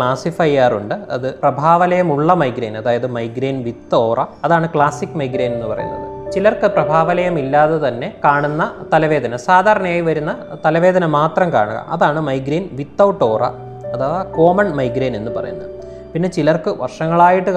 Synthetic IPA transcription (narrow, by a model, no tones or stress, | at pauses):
kɭaːsifɐjaːruɳɖɨɐ̰ðɨprɐbʱaːʋɐlɐjɐmuɭːɐmɐjɡɾeːnɐðaːjɐðɨmɐjɡɾiːnʋit̪ːo̞ːrʔɐɐðaːɳɨkɭaːsikːmɐjɡɾeːne̞nːɨpɐrɐ̰jṵnːɐ̰ðɨt͡ɕilɐrkɨprɐbʱaːʋɐlɐjɐmilːaːðet̪ɐnːe̞kaːɳunːɐt̪ɐlɐʋe̞ːd̪ʱɐnɐsaːd̪ʱaːɾɐɳɐmaːjiʋɐɾunːɐt̪ɐlɐʋe̞ːd̪ʱɐnɐmaːt̪rɐmka̰ːɳuɣɐ̰mʔɐ̰ðaːɳɨmɐjɡɾiːnʋit̪ːɐwʈːo̞ːrɐ̰ | ɐðaːʋɐko̞ːmɐɳmɐjɡɾeːne̞nːɨpɐrɐ̰junːɐ̰ðɨ | pinːe̞t͡ɕilɐrkɨʋɐ̰rʂɐŋːɐɭaːjiʈːɨ